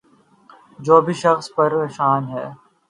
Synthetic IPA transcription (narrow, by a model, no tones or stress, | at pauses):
d͡ʒoːbʱiʃɐxspɐɾnɪʃaːnɦɛː